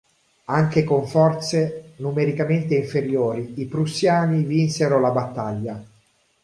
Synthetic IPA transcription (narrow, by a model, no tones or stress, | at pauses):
aŋkekoɱfɔrt̪senumeɾikament̪eiɱfeɾjoːɾiipɾusːjaːnivinseɾolabat̪ːaʎːa